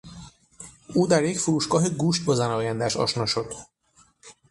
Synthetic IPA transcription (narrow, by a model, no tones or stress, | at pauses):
uːd̪aɾekfuɾuːʃkɒɦiɡuːʃt̪̚bozanɒːjand̪aːʃɒ̰ʃnoʃot̪